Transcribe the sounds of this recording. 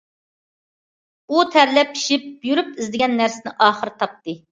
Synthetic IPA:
ut̪ʰæɾlɛpʰi̥ʃip̚jyɾypɪzd̪ɪɡʲɛnːæɾsɪnɪʔɑːχəɾɨt̪ʰɑp̚t̪ɨ

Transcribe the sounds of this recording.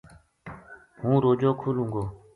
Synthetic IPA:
ɦuɾod͡ʑɔkʰuluŋɡo

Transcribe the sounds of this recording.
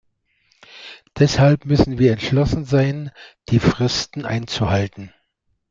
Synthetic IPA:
d̥ɛshalpmʏsn̩viːɐɛntʃlɔsn̩zaɪnd̥iːfʁ̥ɪstn̩ʔa̰ɪnt͡suhaltn̩

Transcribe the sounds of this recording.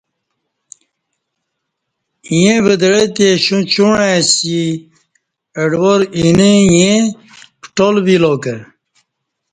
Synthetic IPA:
jẽbəd̪əɻet̪eɕũt͡ɕuɳẽsi | əɖwoɾinijẽ | pʈolbiloːkəɾ

